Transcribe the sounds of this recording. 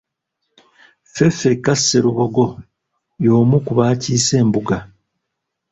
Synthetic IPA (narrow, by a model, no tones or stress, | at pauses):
fe̞fe̞kasːe̞ɾuβo̞ɡo̞ | jo̞ːmukuβaːciːse̞ːmbuɡa